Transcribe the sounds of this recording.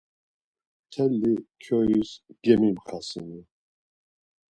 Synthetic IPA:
t̪ʰɛlːikʰjɔisɡɛmimχasini

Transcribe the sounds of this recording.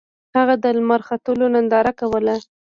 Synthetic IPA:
haɣad̪əlmaɾxat̪əlonand̪ɑɾakawəla

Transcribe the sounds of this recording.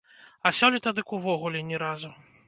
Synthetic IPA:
asʲɔlʲit̪ad̪ɨkuvɔɣulʲɛnʲɛɾazu

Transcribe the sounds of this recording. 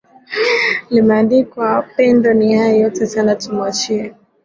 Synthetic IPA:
limɛandikwapɛndɔnihajɔjɔtɛsanatumat͡ʃiɛ

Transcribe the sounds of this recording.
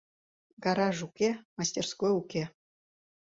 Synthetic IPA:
ɡɑɾɑʐukʲemɑsʲtʲerskojukʲe

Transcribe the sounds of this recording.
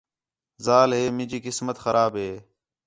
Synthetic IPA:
zaːlɦeːmɪ̃ːd͡ʒiːkɪsmət̪xəɾʔaːbɦeː

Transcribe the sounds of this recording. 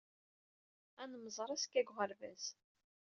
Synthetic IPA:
ænəməzˤɾˤɑskːæɡʁəɾvæs

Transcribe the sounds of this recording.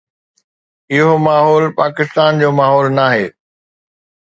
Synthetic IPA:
ɪɦomaːɦɔːlpaːkɪst̪aːnd͡ʑoːmaːɦɔːlnaːɦeː

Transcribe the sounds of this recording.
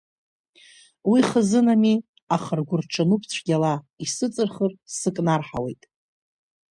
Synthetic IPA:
wiχəzɨnami | aχərɡʷʊrʈ͡ʂʰanupʰt͡ɕʷʰɡʲala | isɨt͡sʼɨrχərsɨkʼnarħa̰we̞jtʼ

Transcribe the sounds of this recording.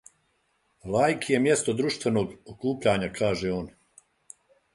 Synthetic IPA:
laːjkʰije̞mje̞st̪od̪ɾuʃt̪ʋe̞no̞ːɡokuːpʎaɲakʰaːʒeoːn

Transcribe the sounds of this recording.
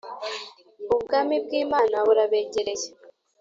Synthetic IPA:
oβuɡaːmib̚ɡiːmaːnaβuɾaβe̞ːɟeɾe̞je

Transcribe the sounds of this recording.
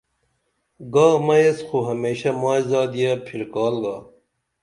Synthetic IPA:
ɡaːmɐjesxoɦɐmeːɕɐmaːizɑːd̪ijaːpʰiɾkɑːlɡaː

